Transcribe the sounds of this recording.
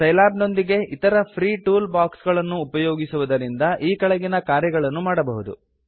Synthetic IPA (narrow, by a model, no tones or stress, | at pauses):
sɐjlaːbno̞nd̪iɡe̞ʔit̪ɐɾɐpʰɾiːʈuːlbaːksɡɐɭɐnːuːpɐjoːɡisuʋɐd̪ɐɾind̪ɐʔiːkɐɭɐɡinɐkaːɾjɐɡɐɭɐnːumaːɽɐbɐɦud̪ṵ